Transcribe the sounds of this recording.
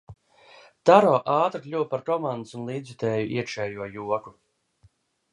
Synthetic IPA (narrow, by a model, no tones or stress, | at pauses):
t̪aɾɔːʔaːt̪ɾklʲuwpaɾkɔmand̪usunlˠiːd̪zvit̪ɛːjuʔḭɛkʃɛːjuɔjuɔku